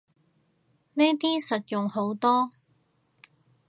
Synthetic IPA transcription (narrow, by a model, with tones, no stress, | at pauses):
ne˥jt̪iː˥sɐ˨t̚jʊ˨ŋho˨˥wt̪ɔː˥